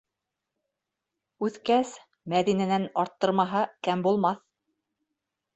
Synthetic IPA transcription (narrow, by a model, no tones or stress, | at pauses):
ʉθkæs | mæðinænænɑɾt̪ːɤ̆ɾmɑɦɑkæmbulˠmɑθ